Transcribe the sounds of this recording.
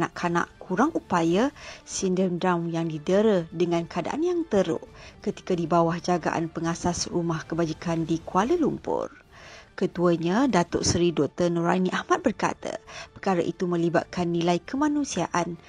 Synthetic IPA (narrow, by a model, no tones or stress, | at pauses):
na̰ʔkʰana̰ʔkʰuɾaŋʔupajasindəmdɾamjaŋdidəɾədəŋãnkəada̰ʔanjaŋt̪əɾʊ̰ʔkət̪i̥kadibawahd͡ʒaɡa̰ʔa̰npəŋasasrumahkəbad͡ʒikʰandikualəlumpʊ̰r | kət̪uəɲãdat̪ʊ̰ʔsɾidɔt̪ənuɾa̰niʔahmat̪̚bərka̰t̪ə̰pəkaɾaʔit̪umə̃liba̰t̪̚kʰanːĩlajkəmãnũsiaʔan